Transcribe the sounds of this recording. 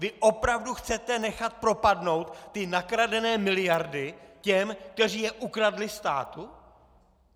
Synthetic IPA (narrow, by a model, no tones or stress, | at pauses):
vɪʔo̞pɾavduxt͡sɛt̪ɛnɛxat̪̚pɾo̞padno̞wt̪ːɪnakɾadɛnɛːmɪlɪjaɾdɪcɛmk̚t̪ɛr̝iːjɛʔukɾadlɪst̪a̰ːt̪u